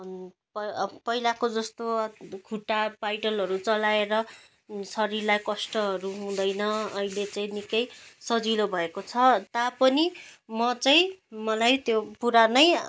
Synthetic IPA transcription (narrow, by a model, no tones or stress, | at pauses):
pʌpʌɦilakod͡zʌst̪okʰuʈapajʈʌlɦʌɾut͡sʌlaeɾʌ | sʌɾirlajkʌsʈʌɦʌɾuɦũd̪ʌjnʌʌɦilet͡saĩnikʌjsʌd͡zilobʱʌekot͡sʰʌt̪apʌnimʌt͡saĩmʌlajt̪jopuɾanʌj